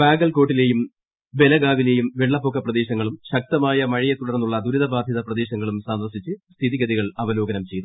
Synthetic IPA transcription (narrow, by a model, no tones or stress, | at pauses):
baːɡɐlko̞ːʈːile̞ːjum | ʋe̞lɐɡaːʋile̞jumʋeɭːɐpoːkːɐprɐd̪e̞ːɕɐŋːɐɭumɕɐk̚t̪ɐmaːjɐmɐɻijɐt̪uɽɐrnːuɭːɐd̪uɾiðɐbaːd̪ʱjɐðɐprɐd̪e̞ːɕɐŋːɐɭumsaːnʋɐsit͡ɕːɨst̪ʰiðiɣɐðiɣɐɭɐʋɐlo̞ːɡɐnɐmt͡ɕe̞jnu